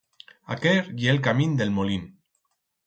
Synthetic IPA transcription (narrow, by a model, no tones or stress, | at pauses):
a̰keɾjelkamind̪elmolin